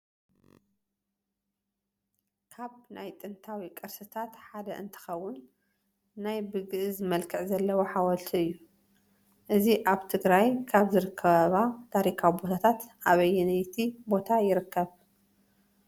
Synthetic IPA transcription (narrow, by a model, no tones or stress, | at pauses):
kʰaβnajt̪ʼɨnt̪ʰawikʼɨɾsɨt̪ʰat̪ħad̪ɐʔɨnt̪ʰɨ̥xɐwːʊnː | ajbɨɡɨʔzɨmɐlkʰɨʕzɐlːɐwoħawɐlt̪ʰiɨjːu | ʔɨziʔaβt̪ʰɨɡɾajkʰaβzɨɾɨkʰːɐβaβat̪ʰaɾikʰawibo̞t̪ʰat̪ʰat̪ʔaβɐjːɛnɐjt̪ʰibo̞t̪ʰajɪɾɨkːɐβ